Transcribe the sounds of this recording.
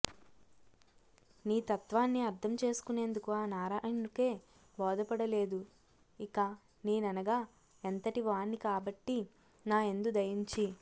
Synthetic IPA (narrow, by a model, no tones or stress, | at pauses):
niːt̪ɐt̪ʋaːnːiɐɾd̪ʰʱɐmt͡ʃe̞ːsu̥kune̞ːnd̪ukuaːnaːɾaːnuke̞ː | bɔːd̪ɐpɐɽɐle̞ːd̪u | ika | niːnɐnɐɡaː | ent̪ɐʈiʋaːnːikaːbɐʈːi | naːe̞nd̪ud̪ɐjiɲt͡ʃi